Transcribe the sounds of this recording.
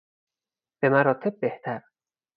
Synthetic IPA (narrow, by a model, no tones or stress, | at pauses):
b̥e̞mæɾɒːt̪ʰe̞b̚ːeht̪ʰæɾ